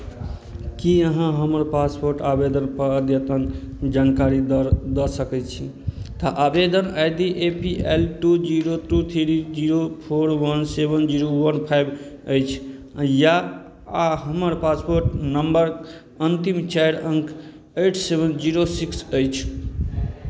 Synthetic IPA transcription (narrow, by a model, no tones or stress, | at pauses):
kiəɦãɦəməɾpaspoɾʈabed̪ənpəəd̪ʱjət̪ənd͡ʒankaɾid̪d̪əsəkɛt͡ʃʰi | t̪əʔabed̪ənajd̪iʔepielʈud͡ʒiɾot̪ʰɾut̪ʰiɾid͡ʒiɾopʰoɾwənsebənd͡ʒiɾowənpʰajbəjt͡ʃʰ | ja | aɦəməɾpaspoɾʈnəmbəɾ | ənt̪imt͡ʃajɾəŋkʰ | ejʈʰsebʱənd͡ʒiɾosiksəjt͡ʃʰ